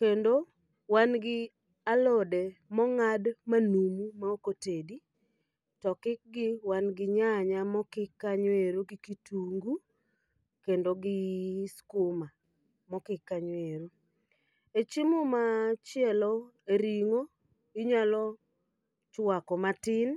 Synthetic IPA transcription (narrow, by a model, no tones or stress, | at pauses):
kendo | wanɡɪ | alodemɔŋadmanumumaokotedi | tɔkɪk̚ɡɪwanɡɪɲaɲamɔkɪkːaɲweɾoɡɪkituŋɡu | kendoɡɪskʊma | mɔkɪkːaɲweɾo | et͡ʃimʊmat͡ʃjɛlɔ | eɾiŋo | ɪɲalɔ | t͡ʃwakɔmatɪn